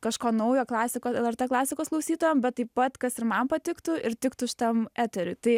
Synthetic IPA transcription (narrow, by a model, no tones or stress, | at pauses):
kɐʃkoːnɐʊjoːklˠɑːsʲɪkoːsɛlˠɛɾt̪eːklˠɑːsʲɪkoːsklˠɐʊsʲiːt̪oːjɛmbʲɛt̪̚tːɐɪppɐt̪kɐsɪɾmɐnpɐt̪ʲɪkt̪ʊɪɾt̪ʲɪkt̪ʊɪʃʲt̪ɐmæːt̪ʲɛɾʲʊɪt̪ɐɪ